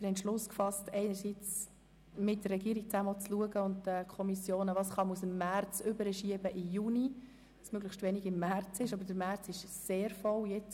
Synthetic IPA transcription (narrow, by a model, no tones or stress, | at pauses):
ɪɾhɛntʃlʊskfɑstɛɪnəɾsit͡s | mɪt̚d̥ərːɛɡiəɾik̚t͡sæməɔt͡sluəɡəʊnt̚dəkʰɔmisjoːnəʋɑsχɑmusəmːært͡sʏbəɾəʃiəbəʔɪjuni | ɑsmøɡləχʃtʋɛnɪɡɪmːært͡sɪʃɑbədəɾmært͡sɪʃseːɾfɔljɛt͡s